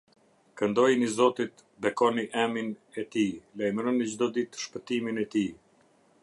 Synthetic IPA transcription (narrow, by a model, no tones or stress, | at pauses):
kənd̪ɔjnizɔt̪it̪ | bɛkɔniʔɛminɛt̪ilɛjmɾɔnid͡ʑd̪ɔd̪it̪ʃpət̪iminɛt̪i